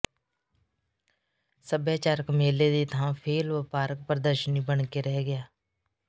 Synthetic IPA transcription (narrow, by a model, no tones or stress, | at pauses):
səbjaːt͡ʃaːɾəkmeːleːd̪iːt̪ʰãːpʰeːlʋəpaːɾək̚pəɾəd̪əɾʃəniːbəɳkeːɾɛːɡɪjaː